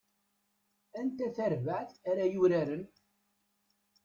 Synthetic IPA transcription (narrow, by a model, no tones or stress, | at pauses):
ænt̪æθæɾvəʕθæɾæjuɾæɾən